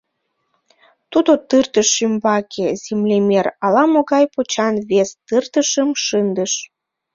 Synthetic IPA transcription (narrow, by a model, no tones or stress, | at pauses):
t̪ud̪ot̪ɨrt̪əʃːymbɑkʰezemlʲemerɑlɑmoɣɑjpot͡ɕɑnβest̪ɨrt̪əʃəmʃɨnd̪əʃ